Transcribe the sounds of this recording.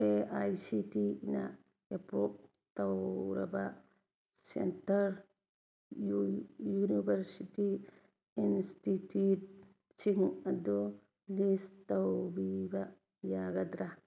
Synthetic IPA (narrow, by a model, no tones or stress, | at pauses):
eajsitina | japɾop̚ | t̪awɾa̰ba | sḛntaɾ | junibeɾsiti | institut̚ | siŋad̪o | list̪awbiba | jaɡad̪ɾa